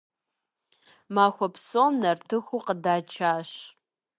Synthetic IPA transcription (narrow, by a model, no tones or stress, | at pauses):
maːxʷɔpʰsomnɐrtʰɨxʷuqədaːt͡ʃʰaːɕ